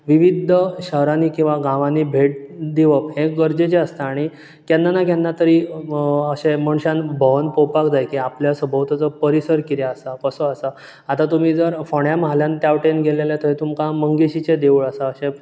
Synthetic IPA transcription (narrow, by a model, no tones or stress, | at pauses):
ʋiʋid̪ʱəɕəɦɾaniːkĩw̃ʋaɡãʋanibʱeʈ̚d̪iʋəpɦeɡəɾd͡ʑet͡ɕeəst̪aːɽ̃i | kjanːanakjanːat̪əɾiːəɕeməɳɕãnbʱəʋənpowpakd͡zajkiapljasəbʱəʋt̪at͡səpəɾisəɾkit̪jaəsakəsəəsa | at̪at̪um̤iːd͡zəɾfɔɽjaməɦaljãnt̪jaʋʈenɡʱeleljat̪əɦit̪umkãməŋɡeɕit͡ɕed̪eʋuɭəsaəɕẽ